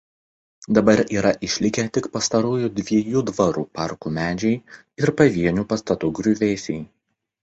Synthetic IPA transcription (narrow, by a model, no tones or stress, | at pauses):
d̪ɐbɐɾʲiːɾɐʔɪʃʲlʲɪkʲɛt̪ʲɪkpɐst̪ɐɾuːjud̪ʲʋʲiɛjuːd̪ʋɐɾuːpɑˑɾkuːmʲæːd͡ʒʲɛɪ | ɪɾpɐʋʲiɛnʲuːpɐst̪ɐt̪ʊːɡɾʲuʋʲeːsʲɛɪ